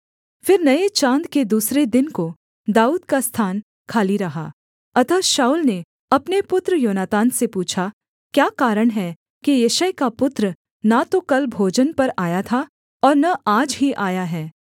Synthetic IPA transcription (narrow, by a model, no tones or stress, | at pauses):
fɪɾnɐet͡ʃãːnd̪ked̪uːsɾed̪ɪnko | d̪aːuːd̪kast̪ʰaːn | kʰaːliɾɐɦa̰ː | ɐt̪əʃaːuːlne | ɐpnepʊt̪ɾəjoːnaːt̪ãːnsepuːt͡ʃʰa | kjaːkaːɾəɽ̃ɦɛ | kijeʃəjkapʊt̪ɾə | nat̪okɐlbʱoːd͡ʒənpɐɾaːjat̪ʰa | ɔːɾnɐaːd͡ʒɦiʔaːjaɦɛː